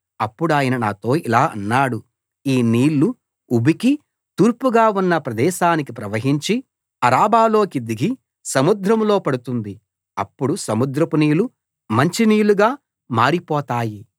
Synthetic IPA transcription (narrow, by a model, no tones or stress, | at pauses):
ɐpːuɽuaːjɐnɐnaːt̪o̞ːilaːʔɐ̰nːaːɽu | iːniːlːu | ubiki | t̪uːɾpuɡaːunːɐpɾɐd̪ɛːʃaːnikipɾɐʋɐɦiɲt͡ʃi | ɐɾaːbaːlo̞ːkid̪iɡi | sɐmud̪ɾɐmlo̞ːpɐɽut̪und̪i | ɐpːuɽusɐmud̪ɾɐpuniːlu | mɐɲt͡ʃiniːluɡaː | maːɾipɔːt̪aːji